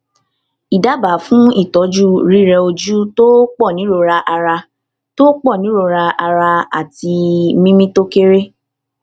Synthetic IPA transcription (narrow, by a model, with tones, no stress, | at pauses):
i˨da˨˦ba˨˦fũ˦i˦˨tɔ˨˦d͡ʒu˦ɾi˦˨ɾɛ˧o˧d͡ʒu˦to˦k͡pɔ˦˨nĩ˨˦ɾo˧ɾa˧ʔa˧ɾa˧ | to˦k͡pɔ˦˨nĩ˨˦ɾo˧ɾa˧a˧ɾa˧a̰˨ti˧mĩ˦mĩ˦to˦ke˦ɾe˦